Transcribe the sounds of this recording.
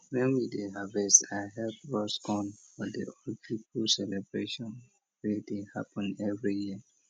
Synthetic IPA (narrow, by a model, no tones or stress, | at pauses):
wɛ̃nwideɦavɛstaɪɦɛlpwɔsɡɔ̃nfɔdḛopʰipulsɛlebɹeʃɔ̃n | wɛdeha̰pɔ̃nɛvɹiji